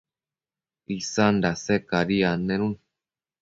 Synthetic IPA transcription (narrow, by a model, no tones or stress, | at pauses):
isand̪asekaɾianenun